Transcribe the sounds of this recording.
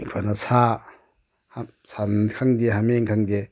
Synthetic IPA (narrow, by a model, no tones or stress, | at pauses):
ŋkʰanasa | h | sankʰaŋdeɦameŋkʰaŋde